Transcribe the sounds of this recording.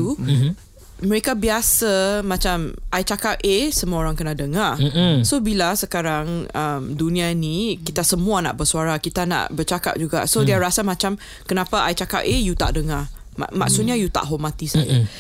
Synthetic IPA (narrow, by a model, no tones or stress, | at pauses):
u | məɾekabiasamãt͡ʃamʔajt͡ʃakap̚ʔesəmuaoɾaŋkənadəŋasobilasəkaɾaŋəmdunĩainikit̪asəmũana̰ʔbəsuaɾakit̪ana̰ʔbət͡ʃaka̰p̚d͡ʒuɡa̰ʔsodiaɾasamãt͡ʃam | kənãpaʔajt͡ʃaka̰pejut̪a̰ʔdəŋa | ma̰mak̚sut̪̚ɲajut̪a̰ʔɦomat̪isaja̰